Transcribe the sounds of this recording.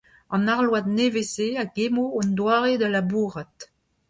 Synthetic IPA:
ɑ̃naʁlwad̪neveseaɡemoɔndwaːʁed̪alabuːʁat̪

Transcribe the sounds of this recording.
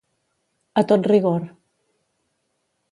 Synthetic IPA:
ət̪ot̪riɣoɾ

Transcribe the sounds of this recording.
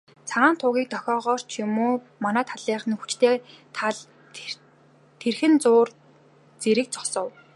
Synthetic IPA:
t͡sʰaʁaːnt̪ʰʊːɣʲiːk̚t̪ʰɔxʲɔːʁɔːr̥t͡ɕʰjʊmoː | manæːt̪ʰaɮiːχnxu̥t͡ɕt̪ʰeːt̪ʰaɮ | t̪ʰerxɘ̆nt͡sʊːr | t͡seɾɘ̆k̚t͡sɔ̥sɞ̆w

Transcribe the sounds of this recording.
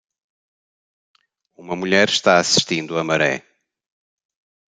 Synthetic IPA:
umɐmuʎɛɾʃt̪aɐsi̥ʃt̪ĩnd̪uɐmɐɾɛ̰

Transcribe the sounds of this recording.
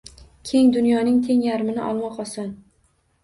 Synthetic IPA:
kʲʰe̞ŋd̪ʊnjɒnɪŋt̪ʰe̞ŋjaɾmɪnɪ̰ʔɒ̰lˠmɒqɒsɒn

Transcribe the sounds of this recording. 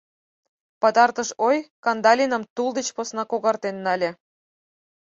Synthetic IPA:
pɑt̪ɑrt̪əʃojkɑnd̪ɑlʲinə̆mt̪uld̪et͡ɕposnɑkoɣɑrt̪enːɑlʲĕ

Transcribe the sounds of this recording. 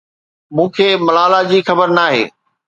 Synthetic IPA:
mũːkʰeːmɐlaːlad͡ʑiːxɐbəɾnaːɦḛː

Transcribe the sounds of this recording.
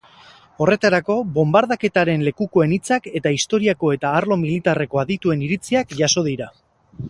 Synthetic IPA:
o̞re̞t̪aɾako̞βo̞mbaɾð̞ake̞t̪aɾe̞nle̞kuko̞e̞nit͡sake̞t̪aist̪o̞ɾiako̞e̞t̪aːɾlo̞milit̪are̞ko̞aðit̪ue̞niɾit͡siakʝaso̞ð̞iɾa

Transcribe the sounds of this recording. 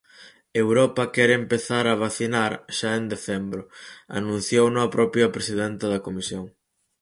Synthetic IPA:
ewɾɔpɐkɛɾempeθaɾɐβ̞aθinaɾʃaend̪eθɛmbɾʊa̰nũnθjownõɐpɾɔpjɐpɾesiðɛnt̪ɪðɐkomisjoŋ

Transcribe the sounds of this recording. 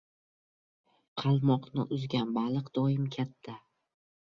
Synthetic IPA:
qʰɑlˠmɒqnɪ̰ʔʊzɡʲanbalˠɨqd̪̥ɒɪmkʲʰat̪ʰːa

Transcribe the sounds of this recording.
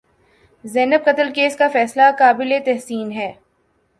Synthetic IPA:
zɛːnəb̚qɐt̪əlkeːskafɛːslakaːbɪlet̪ɛɦsiːnɦɛː

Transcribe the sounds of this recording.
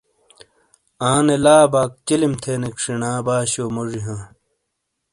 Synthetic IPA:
aːnelaːbaːk̚t͡ɕilimt̪ʰenekʂinaːbaːɕoːmoʐiɦãː

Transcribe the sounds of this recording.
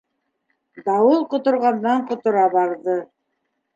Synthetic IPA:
d̪ɑwɤlˠqŏt̪ŏɾʁɑnd̪ɑɴqŏt̪ŏɾɑbɑɾðɤ

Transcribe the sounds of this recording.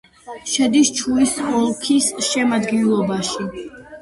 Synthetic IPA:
ʃɛd̪ist͡ʃʰuisɔlˠkʰisʃɛmad̪ɡɛnlˠɔbaʃi

